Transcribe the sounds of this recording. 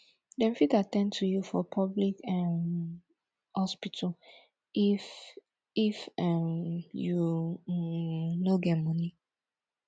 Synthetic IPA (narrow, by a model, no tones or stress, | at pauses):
dɛ̃nfitatɛ̃ntʰujufɔpʰɔblikɛm | hɔspitʰɔl | if | ifɛmju | noɡɛtmɔni